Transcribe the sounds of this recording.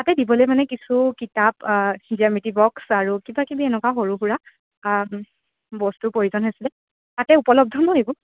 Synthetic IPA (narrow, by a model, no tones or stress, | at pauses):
tatɛdibɔlojmanɛkisukitapziamitibɔksaɹukibakibiɛnɛkaxoɹuɦuɹa | bɔstʊpoɹizɔnɦosilɛ | tatɛupɔlɔb̚dʱɔnɔebʊ